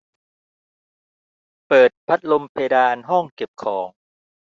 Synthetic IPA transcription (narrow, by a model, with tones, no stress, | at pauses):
pɤː˨˩t̪̚pʰa˦˥t̪̚lo˧mpʰeː˧daː˧nɦɔ˥˩ŋke˨˩p̚kʰɔː˩˦ŋ